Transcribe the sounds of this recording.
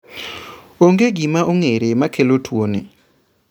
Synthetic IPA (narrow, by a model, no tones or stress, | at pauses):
oŋɡeɡimaʔoŋeɾemakʰelotʰwonɪ̰